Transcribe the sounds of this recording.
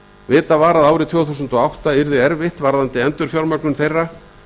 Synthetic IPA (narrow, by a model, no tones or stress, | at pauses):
vɪːt̪avaːɾaðaːwɾɪt̪ʰɔːwθusʏnt̪ɔawht̪aɪɾðɪɛɾvɪht̪vaɾðant̪ɪɛnt̪ʏɾ̥fjawlmœknʏmθejrːa